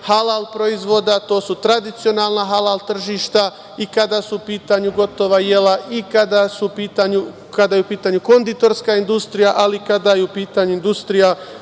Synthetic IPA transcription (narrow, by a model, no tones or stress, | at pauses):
halalpɾoizʋo̞d̪at̪o̞ːsut̪ɾad̪it̪sio̞naːlˠnaɦalalt̪r̩ʒiʃt̪a | ikad̪asuupiːt̪aɲuɡo̞t̪o̞ʋaje̞laʔikad̪asupiːt̪aɲu | kad̪ajeupiːt̪aɲuko̞nd̪it̪o̞ɾskaind̪ust̪ɾijaʔalikad̪ajeupiːt̪aɲuind̪ust̪ɾija